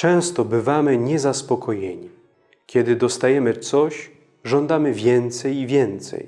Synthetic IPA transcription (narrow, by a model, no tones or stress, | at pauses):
t͡ʂɛ̃w̃st̪ɔbɘvamɘɲɛzaspɔkʰɔjeɲi | kʲjɛd̪ɘd̪ɔst̪ajɛmɘt̪sɔɕ | ʐɔnd̪amɘvʲjɛnt̪sɛjivʲjɛnt̪sɛ̰j